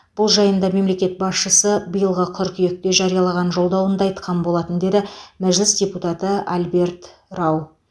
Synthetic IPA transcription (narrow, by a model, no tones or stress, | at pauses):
b̥ʊlˠʒɑjənd̪ɑme̞mle̞kʲe̞t̪̚bɑsʃəsəbəjəlˠʁəqʰʏɾkʲʰʏje̞k̚t̪e̞ʒɑɾijɑlˠɑʁɑnʒo̞lˠd̪ɑwənd̪ɑɑjt̪qʰɑnbo̞lˠɑt̪ənd̪e̞d̪ɪmæʒlɪsdʲe̞put̪ɑt̪əalbe̞ɾt̪rɑw